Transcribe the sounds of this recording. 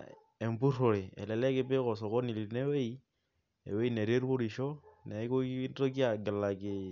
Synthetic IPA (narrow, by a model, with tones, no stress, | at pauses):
e˨mbu˦ɾo˨ɾe˨ɛ̰˨lɛ˨lɛ˦kɪ˦pe˦kɔ˨s̬o˨ko˦ni˨li˨ne˦we˦i˦ | ḛ˨we˦i˦ne˨ɾe˦ɾu˦o˦ɾi˨ʃɔ˦ne˨˦ko˦to˦ki˦a˨ɡɪ˨la˨kɪ˨